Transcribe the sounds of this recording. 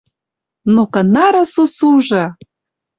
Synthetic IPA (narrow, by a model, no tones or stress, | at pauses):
nokə̆nɑɾɤ̆susuʒɤ̆